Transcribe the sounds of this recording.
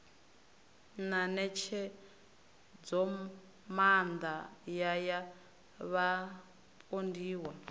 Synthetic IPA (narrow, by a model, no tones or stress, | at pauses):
nanɛt͡ʃʰɛ | d͡zɔ | mand̪ajaja | βa | pʼondiːwa